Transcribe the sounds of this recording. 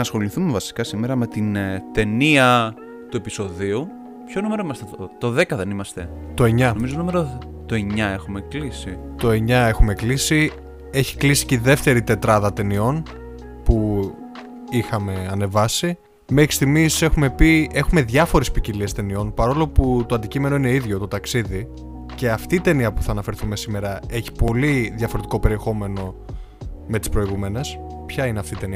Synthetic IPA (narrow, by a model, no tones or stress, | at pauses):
ɐsxo̞liθumevɐsi̥kɐsimeɾɐme̞t̪int̪e̞niɐ | t̪ue̞piso̞ðiu | pço̞nume̞ɾoimɐst̪et̪o̞ðe̞kɐðe̞nimɐst̪e̞ | t̪o̞e̞ɲɐnomizonume̞ɾo | t̪oe̞ɲɐe̞xume̞klisit̪o̞e̞ɲɐe̞xume̞klisi | e̞çi̥klisi̥ceðe̞ft̪e̞ɾit̪e̞t̪ɾɐðɐt̪e̞nio̞n | pu | ixɐme̞ɐne̞vɐsi | mexi̥st̪iɣmise̞xume̞pie̞xume̞ðʝɐfo̞ɾe̞spiciliest̪e̞nio̞npɐɾo̞lo̞put̪o̞ɐnd̪icime̞no̞ine̞iðʝo̞t̪o̞t̪ɐksiði | ce̞ɐft̪iːt̪e̞niɐpuθɐːnɐfe̞ɾθume̞sime̞ɾɐe̞çi̥po̞liðʝɐfo̞ɾe̞t̪iko̞pe̞ɾie̞xo̞me̞no̞ | me̞t̪ispɾo̞iɣume̞ne̞s | pçɐineɐft̪iːt̪e̞niɐ